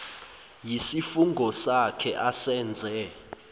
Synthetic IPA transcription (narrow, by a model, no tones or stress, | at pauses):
jisifuŋɡʱɔsakʰɛʔasɛːnd͡zʱɛ